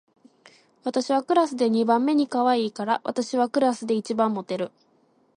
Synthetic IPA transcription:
βat̪aɕiβ̞akɯ̟ɾasɨd̪e̞ɲ̟ibãmːe̞ɲ̟ikaβaiːkaɾaβa̰t̪aɕiβakɯ̟ɾasɨd̪e̞it͡ɕibãmːo̞t̪e̞ɾɯ̟

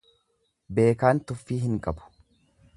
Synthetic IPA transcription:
be̞ːkaːnt̪ʊfːiːɦɪŋkʼɐbʊ̥

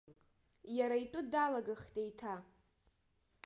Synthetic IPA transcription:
jaɾaitʼʊdalaɡaχtʼejtʰa

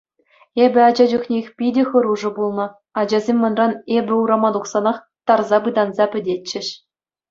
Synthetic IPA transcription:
ebʲɘ̆ɑd͡ʑɑd͡ʑuxnʲexʲpʲidʲexɤ̆ɾuʐɤ̆bulˠnɤ̆ | ɑd͡ʑɑzʲemʲːɤ̆nrɑnebʲɘ̆uɾɑmɑd̪uχsɑnɑχ | t̪ɑrzɑbɯd̪ɑnzɑpʲɘ̆dʲett͡ɕːɘ̆ɕ

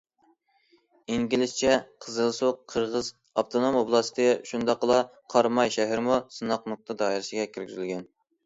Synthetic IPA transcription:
iŋɡʲilɪst͡ʃʰɛqʰəzɨlˠsoqʰːəɾʁəz | ɑp̚t̪ʰonomoblˠɑst̪ʰɨʃund̪ɑqːəlˠɑ | qʰɑɾmɑjʃɛɦɪɾmusɨnɑq̚nʊq̚t̪ʰɨd̪ɑːiɾɪsɪɡʲɛkʲʰiɾɡʲyzylɡʲɛn

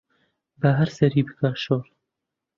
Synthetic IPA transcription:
bəɦɛɾsɛɾiːbɨkɑːʃoːɾ

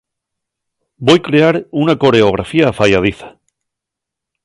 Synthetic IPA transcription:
bo̞jkɾe̞aɾunako̞ɾe̞oɣ̞ɾʔafiafajað̞iθḁ

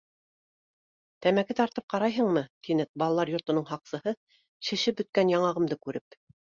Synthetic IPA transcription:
t̪æmækɘt̪ɑɾt̪ɤp̚qɑɾɑjɦɤɴmɤt̪ʰinɘbɑlˠɑlˠɑɾjŏɾt̪ŏnɤɴɦɑqsɤ̆hɤ | ʃɘ̆ʃɘp̚bɵ̆t̪̚kænjɑɴɑʁɤ̆md̪ɤkʉɾɘp̚

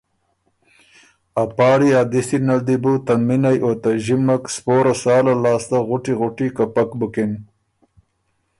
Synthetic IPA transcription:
apɑːɽiaːd̪ɪsinald̪ibut̪anminajʔoːt̪aʒimakspoːɾasɑːlalɑːst̪aɣʊʈiɣʊʈikapakbukɪn

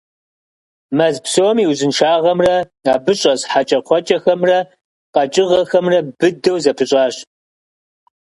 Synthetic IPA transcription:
mɐzpsomiwzɨnʃaːʁɐmrɐ | aːbɨɕʼɐsħat͡ʃʼɐqʷʰɔt͡ʃʼɐxɐmrɐ | qɐt͡ʃʼɪʁɐxɐmrɐbɨdɐwzɐpʰɨɕʼɑːɕ

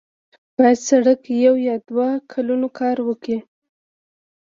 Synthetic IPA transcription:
b̥ɑjad̪saɽakjawjɑd̪wakʰalunokʰɑɾwəki

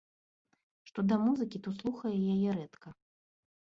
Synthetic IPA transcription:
ʂt̪ɔd̪ɐmuzɨkʲit̪ɔslˠuxɐjɛjajɛɾɛt̪kʰɐ

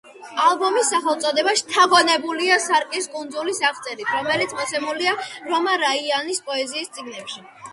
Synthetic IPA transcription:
alˠbɔmisːaχɛlˠt̪sʼɔd̪ɛbaʃt̪ʰaʁɔnɛbuliasaɾkʼiskʼund̪zulisaχt̪sʼɛɾit̪ʰɾɔmɛlit̪sʰmɔt̪sʰɛmuliaɾɔmaɾaianispʼɔɛziːst̪sʼiɡnɛpʃi

